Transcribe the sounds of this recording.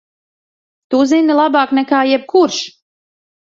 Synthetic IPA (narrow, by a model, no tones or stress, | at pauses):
t̪uzinilˠabaːknɛkaːjɛb̚kuɾʃ